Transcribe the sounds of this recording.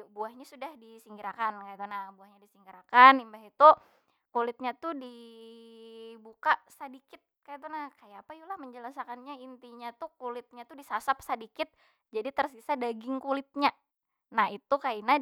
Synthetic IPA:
buahɲasudahdisiŋɡiɾakankaat̪unabuahɲadisiŋɡiɾakanimbaɦit̪u | kulɪt̪̚ɲat̪udi | bukasadikɪt̪̚kajat̪̬unahkajaapajulahməɲd͡ʒəlasakanɲaint̪iɲat̪ukulɪt̪̚ɲat̪udisasap̚sadikɪt̪̚ | d͡ʒadit̪ərsisadaɡɪŋkulɪt̪̚ɲa | nahit̪ukaina

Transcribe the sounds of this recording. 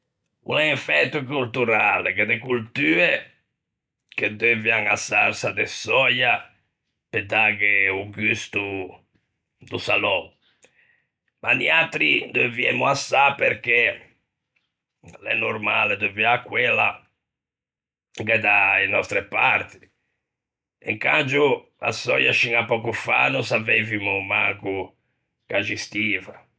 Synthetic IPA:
ṵnaiɱfɛt̪ːukult̪uɾaleked̪ekult̪yːe | k̟ed̪øvjaŋasa̰rsad̪esɔja | ped̪aɡeuɡyst̪u | d̪usalɔ | maniat̪ɾid̪øvjɛmuasːapeɾk̟e | lɛ̰noɾmalɛd̪əviakːwɛla | ɡɛd̪aenɔst̪ɾɛpaɾt̪i̥ | ɛ̰ŋkand͡ʒu | a̰sɔ̰jaʃiŋapːɔkufa̰nusavevimumaku | kad͡ʒist̪iːva

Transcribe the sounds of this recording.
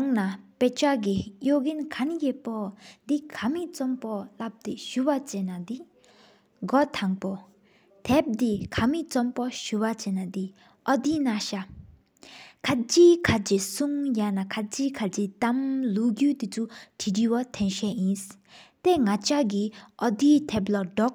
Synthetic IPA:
ŋnapet͡ɕaʔk̬ijoʔkinkʰanjepɔd̪ikʰamit͡sɔmpɔlap̚t̪eɕuwat͡ɕenad̪i | ɡɔt̪ʰaŋpo | t̪ʰɛp̚d̪ikʰamit͡sɔmpɔɕuwat͡ɕenad̪i | ʔɔd̪iːnaɕa | kʰat͡ɕiːkʰad͡ʑisuŋjanakʰat͡ɕiːkʰat͡ɕit̪amluɡyːt̪it͡sʰuʈ͡ʂʰiʈ͡ʂiwat̪ʰɛnɕɛʔjis | t̪eŋat͡ɕaʔɡiʔɔd̪it̪ʰɛplɔdɔk̚

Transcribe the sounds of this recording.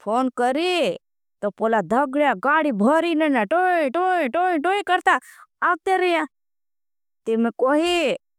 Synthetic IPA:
pʰoːnkəɾi | t̪opoːlad̪ʱəɡɽjaɡaːɽibʱəːɾinenaʈoĩʈõʈoĩʈoːikəɾt̪aːʋt̪eɾəja | t̪ɪmekoːɦi

